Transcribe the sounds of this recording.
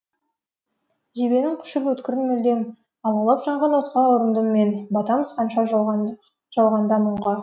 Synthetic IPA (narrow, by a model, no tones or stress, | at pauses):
ʒebe̞nɪŋkʲʰʏ̥ʃɪpwɵt̪kʲɪɾɪnmɵld̪e̞m | ɑlˠɑlˠɑpʒɑɴʁɑnwot̪qɑʊɾənd̪əmːe̞nbɑt̪ɑməz̥qʰɑnʃɑ | ʒ̥ɑlˠʁɑnd̪ɑmʊɴʁɑ